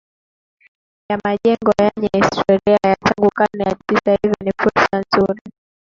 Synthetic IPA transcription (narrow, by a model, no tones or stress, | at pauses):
jamaʄɛŋɡɔjɛɲɛhistʰɔɾiajataŋɡukanɛatisahivinifuɾsanzuɾi